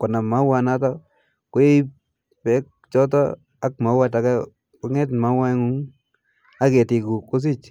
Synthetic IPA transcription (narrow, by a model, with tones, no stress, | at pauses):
kɔ˨na˨ma˨˦wa˨na˦tɔ˦ | kwe˦ | pɛ˦k̚ | t͡ʃɔ˦tɔ̰˦ | a˦k̚ma˨˦wa˦ta˨ka˦ | kʊ˦ŋɛ˦tma˦wa˦ŋu˦ŋ | a˦ke˨ti˨ku˨kːʊ˦s̬i˦˨t͡ʃ